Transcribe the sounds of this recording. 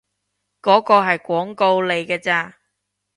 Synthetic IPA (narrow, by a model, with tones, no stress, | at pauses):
kɔː˨˥kɔː˧ɦɐ˨jkʷɔː˨˥ŋko˧wle˨jkɛː˧t͡saː˧